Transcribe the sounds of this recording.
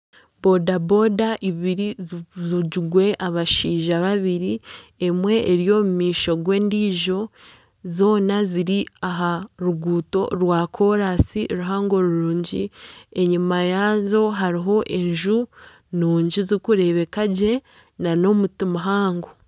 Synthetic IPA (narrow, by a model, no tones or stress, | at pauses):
b̥o̞dabo̞daʔiβiɾizuɟuɡwe̞ʔaβaʃiːʒaβaβiɾiemwe̞ʔːɾjo̞ːmumiːʃo̞ɡwe̞ːndiːʒo̞ | zo̞ːnaziɾiaɦaɾuɡuːto̞̰ɾwaːkʰo̞ɾasiʔɾuɦaːŋɡo̞ɾuɾuːɲɟḭe̞ɲimajazo̞ɦaɾiɦo̞ʔe̞ɲʒu | nuːɲɟizikuɾe̞βe̞kaɟe̞ | nano̞mutimuɦaːŋɡo